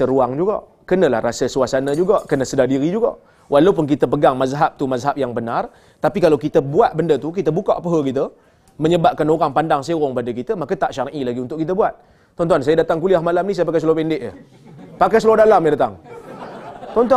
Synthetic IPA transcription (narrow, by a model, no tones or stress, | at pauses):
əɾuaŋd͡ʒuɡa̰ʔ | kənə̃la̰hrasəsuasanəd͡ʒuɡaʔkənəsədadiɾid͡ʒuɡa̰ʔ | wʔalawp̬ʊnk̬it̪əp̬əɡaŋmazɦap̚t̪umazɦap̚jaŋbənar | t̪apikalawkit̪əbuat̪̚bəndət̪uk̬it̪əbukaʔpəɦəkit̪̬ə | məɲəbaʔ̚kanoɣaŋpandaŋsaəɣɔŋpadəkit̪əmakat̪aʔʃaɾʔilaɡiunt̪ʊʔkit̪əbuat̪̚ː | ɔnt̪uansajədat̪aŋkuliahmalamnis̬ajəpakajs̬lpɛndɪʔjə̰ | pakasluadalamjədat̪a̰ŋ | t̪ɔnt̪̬